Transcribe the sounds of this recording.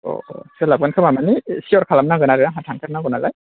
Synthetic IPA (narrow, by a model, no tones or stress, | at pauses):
ɔ̰sɛlab̚ɡankʰɯmamanisiɔɾkʰalamnaɡɯnaɾɯnaɦatʰaŋkʰaɾnaɡɔnalaj